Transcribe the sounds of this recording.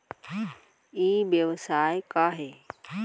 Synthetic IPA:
iːbjəʋəsaːekaːɦeː

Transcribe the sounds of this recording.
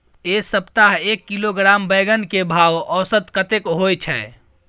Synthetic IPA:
esəpt̪aɦekːiloɡɾambəjɡənkebʱawɔsət̪kət̪ekɦojt͡ʃʰɛ

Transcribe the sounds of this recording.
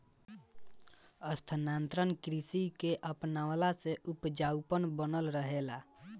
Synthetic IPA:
əst̪ʰənant̪ɾənkɾisikeʔəpnawlaseʔupd͡ʒawpənbənəlɾəɦela

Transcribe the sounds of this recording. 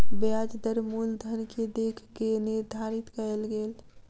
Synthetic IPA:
bead͡ʒd̪əɾmuːld̪ʱənked̪eːkʰɡenɪɾd̪ʱaːɾɪt̪kəlɡeːl

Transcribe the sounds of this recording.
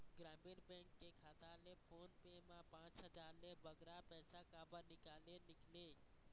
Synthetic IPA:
ɡɾaːmiɾbɛ̃ŋkːekʰaːt̪alepʰoːnpemãpãːt͡ʃɦəd͡ʒaːɾlebəɡɾapɛːsakaːbəɾnɪkaːlelɪkʰleː

